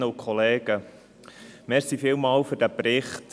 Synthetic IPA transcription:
əukʰχɔleːɡ̥ə | mɛɾsifɪːlmɑːlfɵɾd̥æpɾɪχt

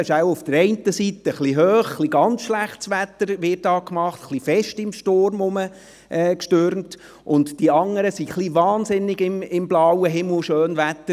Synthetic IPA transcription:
ɪʃæwʊfd̥əɾɛɪntəsit̪əχliɦøːχχliɡɑnt͡sʃlæχtsʋæt̪ːəɾʋɪt̚ːɑːkmɑχtχlifɛʃtɪmʃtoɾmʊmə | ʔɛːkʃtøɾmt | ʔʊntd̥iɑŋːəɾəsiχliʋɑːnsɪnːɪɡɪmɪmblɑwəɦɪml̩ˠʃøːnvæt̪ːə

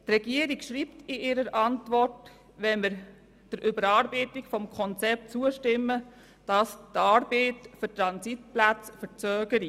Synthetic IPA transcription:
trɛɡiəɾikʃɾiːptɪʔɪɾəɾɑntʋɔrt | ʋɛnmɪɾ | d̥əɾʔʏbəɾɑːɾbeɪtɪkfɔmkʰɔnt͡sɛp̚tt͡suəʃtɪmːə | d̥ɑstɑːɾbeːtfytɾɑnsitplæt͡sfət͡sœːɡəɾi

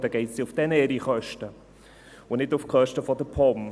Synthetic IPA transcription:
dəɡ̥eɪtsiʊfd̥ɛnɛɾiχœʃtə | ʊnɪtʊfkʰœʃtəfɔdəpʰɔm

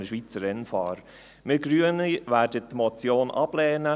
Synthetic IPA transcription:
nəʃʋit͡səɾɛnfɑ̰ːɾ | mɪːɡ̥ɾyːəniʋæːɾdətmɔt͡sjoːnʔɑb̥lɛːnə

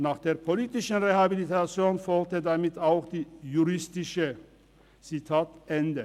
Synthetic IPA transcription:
naːχd̥̪eːɐpʰɔliːt̪ɪʃn̩ʁehabilit̪ʰat͡sjoːnfɔlt̪əd̪amit̪ʰaʊxd̪̥iːjuʁɪst̪ɪʃə | t͡sit̪ʰaːt̪ʔɛnd̪ə

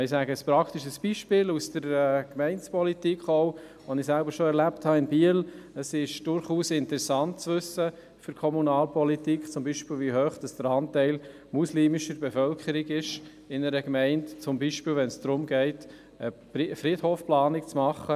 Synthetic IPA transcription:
ɪsæːɡəəspɾɑkʰtiʃəsb̥iʃpɪːlusd̥əɾɛkmɛɪnt͡spɔlitikχoʊ | ʋonɪsælbəɾʃoɛɾlæpthɑɪnbiələsɪʃd̥ʊɾχuːsɪntəɾɛsɑnt̚t͡sʋɵsə | fʏɾkʰɔmunɑːlpɔlitikχt͡sʊmbiːʃpɪːlʋiɦøːχd̥ɑsd̥əɾɑntɛɪl | musliːmɪʃəɾbɛfœlkʰχəɾiɡɪʃ | ɪnəɾəkmɛɪntt͡sʊmbiʃpɪːlʋɛnsd̥ɾʊmɡɛɪt | ə | fɾithoːfplɑːnɪkt͡smɑχːə

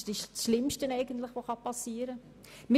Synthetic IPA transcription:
d̥iʃsʃlɪmʃtənɛɪɡəntlɪχʋoχɑpɑsiːəɾə | mɪ

